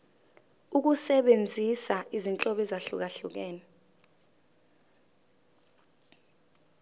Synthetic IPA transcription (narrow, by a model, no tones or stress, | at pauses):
uk̬usɛɓend͡zʱisaʔizint͡ɬʼɔɓɛzaɬuk̬aɬuk̬ɛːnɛ